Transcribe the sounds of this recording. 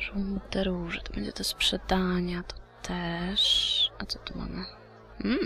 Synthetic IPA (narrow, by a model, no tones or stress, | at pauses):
ʐud̪ɛɾuʐɛt̪ɔbɛɲd͡ʑɛt̪ɔspʂɛd̪aɲat̪ɔ̥t̪ʰɛʂat̪sɔ̥t̪uma̰mə | m̩